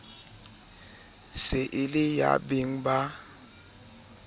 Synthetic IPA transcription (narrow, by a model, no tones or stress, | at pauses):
sɪʔɪlɪja̰bɪŋ̩ba